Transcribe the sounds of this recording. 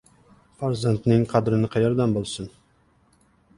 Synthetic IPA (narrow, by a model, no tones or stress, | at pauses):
faɾzant̪nɪŋqʰɑd̪ɾɪnɪqʰɑjɒɾd̪ambolˠsɨn